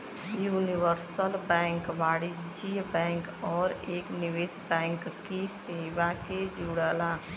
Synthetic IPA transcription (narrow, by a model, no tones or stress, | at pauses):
juːnɪʋəɾsəlbɛ̃ːŋkʋaːɽid͡ʒiːbɛ̃ːŋkɔːɾeːknɪʋeːsbɛ̃ːŋkːiseːʋaked͡ʒuːɽəlaː